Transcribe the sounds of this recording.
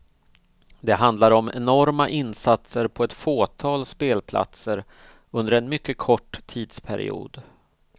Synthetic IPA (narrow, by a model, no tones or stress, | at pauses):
d̪ɛɦand̪laɾɔmɛ̰nɔɾmaʔɪnsat̪səɾpʰɔɛt̪foːt̪ʰɑːlspeːlpʰlʔa̰t̪səɾ | ɵnd̪əɾɛnmʏkːəkʰɔʈːt̪ʰiːd̪spʰæɾɪ̰ṵːd̪